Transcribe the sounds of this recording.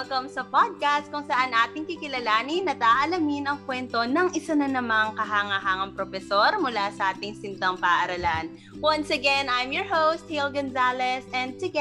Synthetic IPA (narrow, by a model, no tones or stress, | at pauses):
lkɐmsɐpad̪̚kast̪̚kʊŋsɐʔanʔaːt̪ɪŋkɪkɪlɐlaːninːɐt̪aːʔɐlɐminɐŋkwɛnt̪o̞nɐŋʔɪsanɐnɐmɐŋkɐɦaːŋɐɦaːŋɐŋpɾofɛso̞ɾmʊlasɐʔaːt̪ɪŋsɪnt̪ɐŋpɐʔɐɾɐlan | wɐnsɐɡɛnajmjɔɹhowst̪̚hɪlɡɐnzalɛsɛ̃nd̪̚t̪ʊɡɛ